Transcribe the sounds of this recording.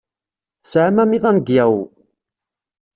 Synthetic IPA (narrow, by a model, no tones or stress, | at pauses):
sʕamæmiðˤænɡjæw